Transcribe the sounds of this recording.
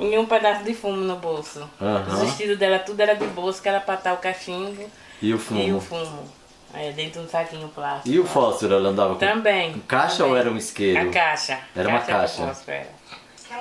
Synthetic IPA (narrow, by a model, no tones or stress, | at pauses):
iũped̪asʊd̪ɪfũmʊnʊbowsʊɐ̃ɦɐ̃vɪʃt̪id̪ʊd̪ɛlɐt̪ud̪ʊɛɾɐd̪ɪbowsʊ̥kɛlɐpat̪avʊkaʃĩd̪ʊ | ɪʊfũĩʊfũmʊ | ɛd̪ẽt̪ɾʊd̪ũsakĩɲʊplasɪʊfɔsoɾɛlɐ̃nd̪avɐkt̪ɐ̃bẽj̃kaʃɐowɛɾɐũiskeɾʊkaʃɐɛɾɐaũmɐʃkaʃɐ̰askɛ̰ɾɐ̰